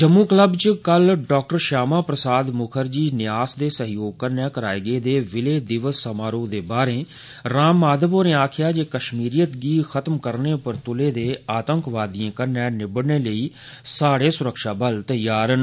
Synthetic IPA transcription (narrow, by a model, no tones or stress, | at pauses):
d͡ʒəmːũːkləbt͡ʃkəlɖɔːk̚ʈəɾʃaːmãːpɾəsaːd̪mʊkʰəɾd͡ʒiːnɪjaːsd̪eːsəɦjoːɡ̚kəɾnɛ̃ːkəɾaːeɡeːd̪eːʋɪleːd̪ɪʋəsːəmaːɾõːd̪eːbaːɾeː | ɾaːmaːd̪əbõːneːaːkʰɪjaːd͡ʒeːkəʃmiːɾijət̪ɡiːxət̪mkəɾneːʊpəɾt̪ʊleːd̪eːaːt̪əŋkʋaːd̪iãːkəɾnɛ̃ːnɪbəɽneːləiː | saːɽeːsʊɾəkʃaːbəlt̪əjaːɾən